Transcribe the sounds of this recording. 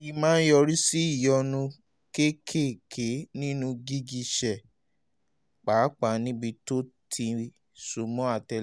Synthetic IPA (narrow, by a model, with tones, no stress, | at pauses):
ji˧mãː˦n̩˦jɔ˧ɾi˦si˦i˦˨jɔ˧nũ˧ | ke˦kʰe˦˨kʰe˨˦nĩ˦nũ˧ɡi˦ɡi˧ʃɛ˨ | k͡pa˨˦k͡pa˨˦nĩ˦bi˧to˦tʰi˧ | su˧mɔ̃˨˦a˦˨tɛ˧